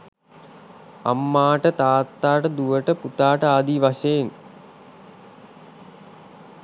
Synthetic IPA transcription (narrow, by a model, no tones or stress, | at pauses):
a̰mːaːʈət̪aːt̪ːaːʈəd̪uʋəʈəput̪aːʈəaːd̪iʋaʃen